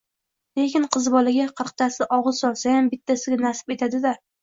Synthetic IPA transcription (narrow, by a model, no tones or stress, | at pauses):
le̞kʲɪnqʰɨzbɒlaɡʲaqʰɨɾqt̪ʰasɪʔɒʁɨz̥sɒlˠsajambɪt̪ʰːasɪɡʲanasɪpet̪ʰad̪ɪla